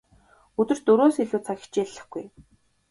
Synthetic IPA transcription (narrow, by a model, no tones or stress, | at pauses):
ɵt̪ɵ̆r̥t̪ɵɾoːsiɮuːt͡sʰaxi̥t͡ɕeːɮːə̆χɡuj